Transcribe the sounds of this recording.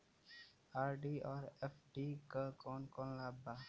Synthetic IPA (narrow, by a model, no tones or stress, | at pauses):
aːɾɖiɔːɾefʰɖiːkakɔːnkõːnlaːba